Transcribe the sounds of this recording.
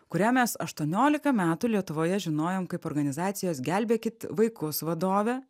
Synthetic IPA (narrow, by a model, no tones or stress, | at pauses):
kʊɾʲæːmʲɛsɐʃt̪uɔnʲoːlʲɪkɐmʲæːt̪ulʲiɛt̪ʊʋoːjɛʒʲɪnoːjoːmkɐɪpɔːɾɡɐnʲɪzɑːt̪sʲɪjoːsɡʲælʲbʲeːkʲɪt̪ʋɐɪkʊsʋɐd̪oːʋʲɛ